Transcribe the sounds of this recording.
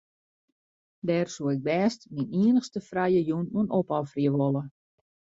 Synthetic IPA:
dɛːrsuəɪɡ̚bɛːstminiənəxstəfrajəjunuənopɔfriəʋolˠə

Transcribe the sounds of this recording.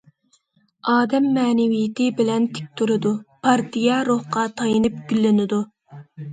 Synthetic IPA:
ɑːd̪ɛmːɛːnɪvijɪt̪ʰɪbɪlɛnt̪ʰɪ̥k̚ʲt̪ʰuɾɨd̪upʰɑɾt̪ʰijɑɾoχqɑt̪ʰɑjɨnɨp̚ɡ̥ʲylːɪnɪd̪u

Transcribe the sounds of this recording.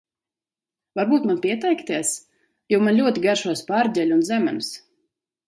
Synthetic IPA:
vaɾbuːt̪manpʲiɛt̪ɛjkt̪iɛs | jawmanlʲuɔt̪ʲiɡaɾʃuɔspaːɾdʲɛlʲunzæmæms

